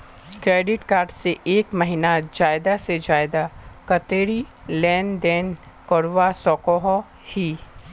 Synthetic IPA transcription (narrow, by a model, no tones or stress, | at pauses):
kɾeːɖɪʈkaːɾɖseʔeːkmɐɦinad͡ʒaːɪd̪ased͡ʒaːɪd̪akɐt̪eːɾi | lɛːnd̪ɛːn | kɔɽʋasɔːkɔɦɔ | hiː